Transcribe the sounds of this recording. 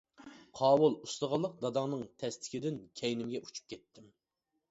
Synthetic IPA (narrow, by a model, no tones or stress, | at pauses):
qʰɑːwulˠust̪əʁɑlˠːəq̚d̪ɑd̪ɑŋnɨŋt̪ʰɛst̪ʰɪ̥kʲɪd̪ɪnkʲʰɛjnɪmɡʲɛʔu̥t͡ʃʰu̥p̚kʲʰɛt̪ʰːɪm